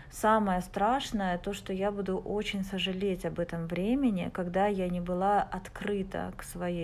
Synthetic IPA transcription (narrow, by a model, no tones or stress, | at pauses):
saməjəst̪ɾaʂnəjət̪o̞ʂt̪o̞jabud̪ʊʔot͡ɕɪnʲsəʐɨlʲetʲɐbɛt̪əmvɾʲemʲɪnʲɪ̰kɐɡd̪ajanʲɪbɨlˠaɐt̪kɾɨt̪ə̰ksvɐjej